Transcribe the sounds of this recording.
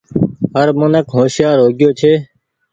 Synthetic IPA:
ɦəɾmõnəkɦõːʃjaːɾɦoːɡɪjoːt͡ʃʰeː

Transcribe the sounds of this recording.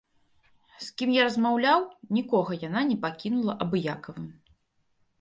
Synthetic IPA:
skʲimjaɾɐzmawlʲawnʲikɔɣɐjan̪anʲɛpakʲinulˠɐʔɐbɨjakɐvɨm

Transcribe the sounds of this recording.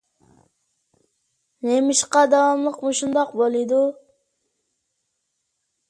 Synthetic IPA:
nemɪʃqɑd̪ɑwɑmlˠəqmuʃund̪ɑq̚bolˠɨd̪u

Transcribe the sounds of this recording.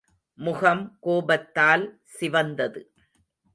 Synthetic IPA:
mʊɣɐmkoːbɐt̪ːaːl | sɪʋɐnd̪ɐðɯ

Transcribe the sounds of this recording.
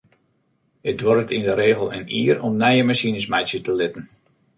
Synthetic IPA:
ədʋɔrətindəɾeːɣəlˠə̰niərɔmnɛjəmasinəsmajsjətəlɪtən̩

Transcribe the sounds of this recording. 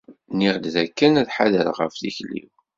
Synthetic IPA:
niʁd̪ðækːænæðħaðəɾʁə̰fðiçlḭw

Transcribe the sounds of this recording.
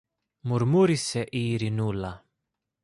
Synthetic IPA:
muɾmuɾisɛʔiːɾinulːa

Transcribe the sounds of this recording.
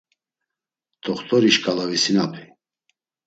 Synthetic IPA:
t̪ʰʼɔχt̪ʰʼɔɾiʃkʼalavisinapʰi

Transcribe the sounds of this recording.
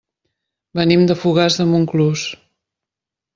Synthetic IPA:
bənimd̪əfuɣazðəmuŋklus

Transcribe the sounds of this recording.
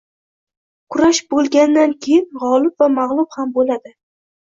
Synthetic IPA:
kʰʊɾaʃbolˠɡʲand̪ankʲʰejɪnʁɒlɪbvamaʁlˠʊphambolad̪ɪ

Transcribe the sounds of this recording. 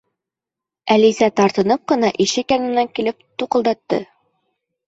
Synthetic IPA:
ælizæt̪ɑɾt̪ɤ̆nɤp̚qɤ̆nɑʔiʃɘkjɑnɤ̆nːæŋkilɘp̚t̪uqɤ̆lˠd̪ɑt̪ːɤ̰

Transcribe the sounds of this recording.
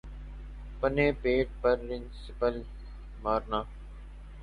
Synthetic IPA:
pənẽːpeːʈ̚pəɾːɪnsɪpəl | maːɾnaː

